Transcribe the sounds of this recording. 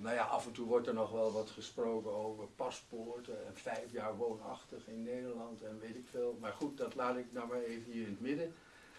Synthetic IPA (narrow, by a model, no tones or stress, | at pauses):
nawjaʔɑ̰fɛntuʋɔɹtɛɹnɔχʋɛlˠʋɑtχəsprowkənowvəɹpɑspʊɹtəɛnfɛjfjaːɹʋoːnɑ̰χtəχɪnːejdəɹlɑntɛnʋejtɪkfɪːlˠmaːɹχut̚dɑtlaːdɪknɔmaːɹejvəniɹɪnətmɪdə